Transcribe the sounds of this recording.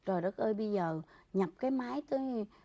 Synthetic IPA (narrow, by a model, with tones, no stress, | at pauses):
zo˨˩jɗə˦˥t̚ʔəː˧jɓə˧jzəː˨˩ɲa˨˩p̚kaː˨˦jmaː˨˦jt̪əː˨˦j